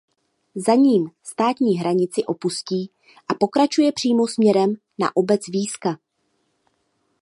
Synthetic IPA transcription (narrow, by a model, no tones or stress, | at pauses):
zaɲiːmst̪aːt̪ɲiːɦɾaɲɪt͡sɪʔo̞pusciː | ʔapo̞kɾat͡ʃujɛpr̝̥iːmo̞smɲɛɾɛm | na̰ʔo̞bɛt͡sviːska